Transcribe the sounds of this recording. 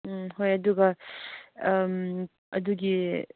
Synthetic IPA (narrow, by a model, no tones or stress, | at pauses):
ɦojɐd̪uɡɐ | m | ɐ̰d̪uɡi